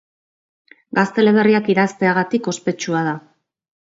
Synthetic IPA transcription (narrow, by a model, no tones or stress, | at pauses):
ɡast̪e̞le̞β̞e̞riakiðast̪e̞aɣat̪iko̞spe̞t͡ʃuað̞a